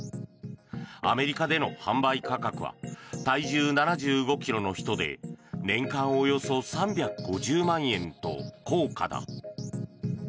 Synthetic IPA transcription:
a̰me̞ɾʲikad̪e̞no̞hãmbaikakakɯ̟̰βa̰t̪aiʑɨːnanaʑɨːɡo̞kʲiɾo̞no̞çi̥t̪o̞d̪e̞̰nẽ̞ŋkãɰ̃ojo̞so̞sãmbʲakɯ̟ɡo̞ʑɨːmãɰ̃ẽ̞nt̪o̞̰ko̞ːka̰d̪a̰

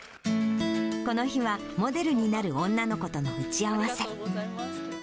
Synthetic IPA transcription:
ko̞no̞çiβa | mo̞d̪e̞ɾɯ̟ɲ̟inaɾɯ̟õ̞nːano̞ko̞t̪o̞no̞ɯ̟t͡ɕiaβase̞

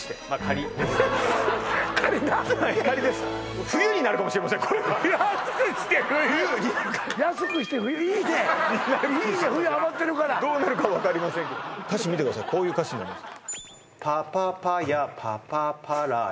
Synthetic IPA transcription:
ɕi̥t̪emakʰaɾʲid̪es | kʰaɾʲid̪ahakaɾʲid̪e̞sɨ̥ | ɸɯ̟jɯɲ̟inaɾɯkamo̞ɕiɾemas̬ẽŋkʰo̞ɾeβajaskɕi̥t̪ehɯ̟jɯɲijasɨkɯ̟ɕi̥t̪eɸɯ̟jɯ̟iːd̪eɲinaɾid̪eɸɯjɯaβat̪ːe̞ɾɯ̟kaɾad̪o̞ːnaɾɯ̟kaβakaɾʲimasẽŋkkaɕimʲit̪ekd̪as̬a̰jkʰo̞ːjɯ̟ːkaɕinaɾʲimasɨ̥k | pʰapapajapʰa̰papʰaɾa

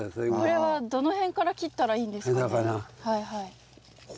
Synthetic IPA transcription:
sokoɾe̞βad̪o̞no̞hẽ̞ŋkaɾakʲit̪ːaɾaiːnd̪e̞sk̪akanahaiɦai

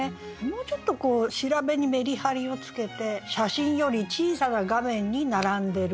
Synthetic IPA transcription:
mo̞ːt͡ɕo̞t̪ːo̞ko̞ːɕiɾabe̞ɲ̟ime̞ɾʲihaɾʲio̞t͡sɨ̥ke̞t̪e̞ɕaɕĩɰ̃jo̞ɾʲit͡ɕiːsanaɡamẽ̞ɲ̟ːinaɾãnd̪e̞ɾ

